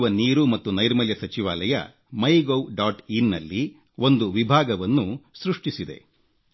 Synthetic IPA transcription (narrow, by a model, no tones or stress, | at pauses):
ʋɐniːɾumɐt̪ːunɐjɾmɐljɐsɐt͡ʃiʋaːlɐjɐ̰ | mɐjɡowɖaːʈinːɐ̰lːi | o̞nd̪uʋibʱaːɡɐʋɐnːusɾuʂʈisid̪e̞̰